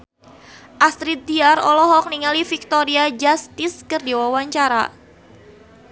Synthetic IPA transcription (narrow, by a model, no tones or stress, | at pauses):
ʔast̪ɾit̪̚diaɾɔlɔɦɔk̚niŋalifik̚t̪ɔɾiad͡ʒast̪ɪskɨrdiwawaɲt͡ʃaɾa̰